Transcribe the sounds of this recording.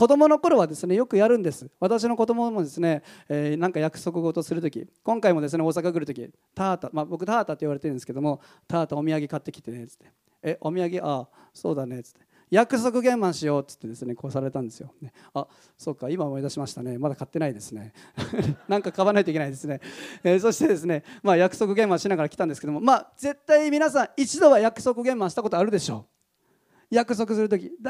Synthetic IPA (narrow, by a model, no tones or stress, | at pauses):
ko̞d̪o̞mo̞no̞ko̞ɾo̞βad̪esɨne̞jo̞kɯ̟jaɾɯ̟̃nd̪e̞sɨ̥βat̪aɕ̬ino̞ko̞d̪o̞mo̞mo̞d̪e̞sɨne̞eːnãŋkajakɯ̟̥so̞k̬ɯ̟ɡo̞t̪o̞sɨɾɯ̟t̪o̞kʲḭkõ̞ŋkaimo̞d̪e̞sɨne̞o̞ːsakaɡɯ̟ɾɯ̟t̪okʲi | t̪aːt̪amabo̞k̬ɯ̟t̪aːt̪at̪ːiβaɾe̞t̪eɯ̃nd̪esɨ̥ked̪o̞mo̞ | t̪aːt̪aomʲiaɡʲekat̪ːe̞kʲi̥t̪e̞ne̞t͡sɨ̥t̪ːe̥ː | ʔo̞mʲiaɡʲeʔa | so̞̰ːd̪ane̞t͡sɨ̥t̪ʰːe | jakɯ̟so̞k̬ɯ̟ɡẽ̞mːãɰ̃ɕijo̞ːt͡sɨ̥t̪ːed̪e̞sɨne̞ko̞ːsaɾaɾe̞t̪ãnd̪e̞sɨjone̞ | a | so̞kaimaomo̞id̪aɕimaɕi̥t̪ane̞mad̪akat̪ːe̞naid̪e̞sɨne̞ | nãŋkakaβanait̪oikenaid̪e̞sɨne̞eso̞ɕi̥t̪e̞d̪e̞s̬ɨne̞maːjakɯ̟̥so̞kɯ̟ɡẽ̞mbãɕinaɣaɾakʲi̥ãnd̪esɨ̥ke̞d̪omo̞maːz̥e̞t̪ːaimʲinasãɰ̃it͡ɕid̪o̞βajakɯ̟̥so̞kɯ̟ɡẽ̞mːãɕi̥t̪ako̞t̪o̞aɾɯ̟d̪e̞ɕo̞ː | jakɯ̟so̞k̬ɯ̟sɨɾɯ̟t̪o̞kʲi